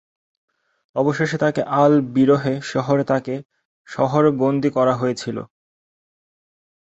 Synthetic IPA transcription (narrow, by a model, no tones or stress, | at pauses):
ɔboʃeʃet̪akeʔalbiɾoɦeʃɔɦoɾet̪ake | ʃɔɦoɾbond̪ikɔɾaɦojet͡ɕʰilo̰